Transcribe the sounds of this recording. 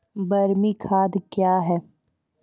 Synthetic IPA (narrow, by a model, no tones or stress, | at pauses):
bɐɾmikʰaːd̪kjaːɦɛː